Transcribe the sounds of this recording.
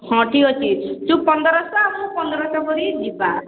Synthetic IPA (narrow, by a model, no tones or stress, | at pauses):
hɔ̃ʈiɔt͡ʃʰit͡ʃũpɔnd̪ɔɾɔsɔamũpɔnd̪ɔɾɔsɔkɔɾid͡ʒipa